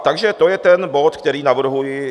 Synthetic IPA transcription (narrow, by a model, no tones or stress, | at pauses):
t̪aɡʒɛt̪ojɛt̪ɛnbo̞t̪kt̪ɛɾiːnavr̩ɦujɪ